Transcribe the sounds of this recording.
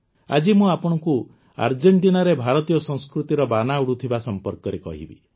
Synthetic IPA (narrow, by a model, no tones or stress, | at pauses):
a̰d͡ʒimũapɔɽ̃ɔku | a̰ɾd͡ʒeɳʈinaɾebʱaɾɔt̪ijɔsɔ̃ŋskɾut̪iɾɔbanauɽut̪ʰibasɔmpɔɾkɔɾekɔ̰ɦḭbḭ